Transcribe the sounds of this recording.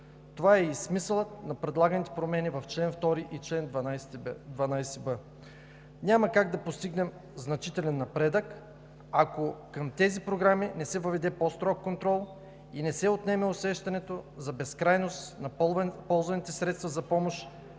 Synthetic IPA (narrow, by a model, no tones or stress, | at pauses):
t̪ovaɛismisəlˠət̪nɐpɾɛd̪lˠaɡənit̪ɛ̥pɾomɛnivɐft͡ʃlɛnft̪ɔɾiʔit͡ʃlɛnd̪vasd̪vɐnajsɛbə | nʲamɐkaɡd̪ɐpost̪iɡnɛm | znɐt͡ʃit̪ɛlɛnːɐpɾɛd̪ək | akokəmt̪ɛzipɾoɡɾaminɛsɛvəvɛd̪ɛpost̪ɾɔkːont̪ɾɔlˠ | inɛsɛot̪nɛmɛosɛʃt̪ɐnɛt̪ozɐbɛskɾajnost̪nɐpɔlˠzvɐnit̪ɛsɾɛt̪st̪vɐzɐpɔmoʃ